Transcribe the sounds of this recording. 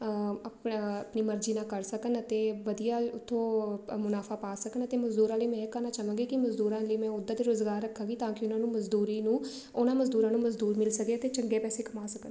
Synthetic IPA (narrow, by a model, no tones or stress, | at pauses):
əpəpniːməɾd͡ʒiːnãːkəɾsəkənət̪eːʋəd̪ijaːʊt̪ʰːõːmʊnaːfʰaːpaːsəkənət̪eːməzd̪uːɾãːləiːmɛ̃ːɪkənaːt͡ʃəʋə̃ːɡeːkɪməzd̪uːɾãːləiːmɛ̃ːʊd̪ːãːd̪iːɾʊzɡaːɾːəkʰːãːɡiːt̪ãːkɪʊnãːnũːməzd̪uːɾiːnũː | ʊnãːməzd̪uːɾãːnũːməzd̪uːɾmɪlsəkeːət̪eːt͡ʃəŋɡeːpɛːseːkʰəmaːsəkən